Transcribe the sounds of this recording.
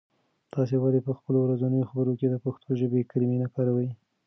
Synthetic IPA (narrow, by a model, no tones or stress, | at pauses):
t̪ɑs̬ewɑlepəxpəlowɾazanəjoxabəɾoked̪əpaxt̪ʰoʒəbekəɾiminakɑɾawəj